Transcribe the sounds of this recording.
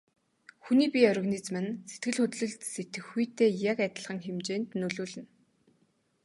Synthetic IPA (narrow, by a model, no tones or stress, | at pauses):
xuniːpʲiœɾʲɪ̆ɣniːt͡smɘ̆nset̪ɡɘ̆ɮxɵt̪ɮɵ̆ɮt̪set̪ɘ̆xːujt̪eːjakæt̪ə̆ɮχə̆ŋxemt͡ɕeːnt̪nɵɮuːɮɘ̆n